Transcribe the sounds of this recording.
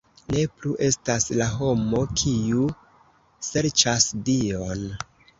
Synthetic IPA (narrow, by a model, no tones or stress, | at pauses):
ne̞pluʔe̞staslaɦo̞mo̞kʰiu | se̞ɾt͡ʃasdio̞n